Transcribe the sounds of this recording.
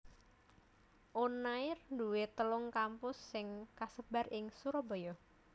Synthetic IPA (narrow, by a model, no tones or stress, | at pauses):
ʔonaɪrnduwet̪əlʊŋkampʊsːɪŋkasəbarɪŋsuɾobo̤jɔ